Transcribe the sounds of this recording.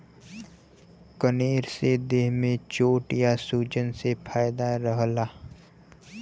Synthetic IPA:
kəneːɾsed̪eːɦmẽt͡ʃoːʈjasuːd͡ʒənsepʰaːɪd̪aɾəɦlaː

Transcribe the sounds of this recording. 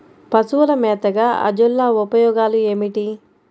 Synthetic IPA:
pɐsuʋɐlɐmɛːt̪ɐɡaːɐ̰d͡ʒulːaːupɐjɔːɡaːlueːmiʈi

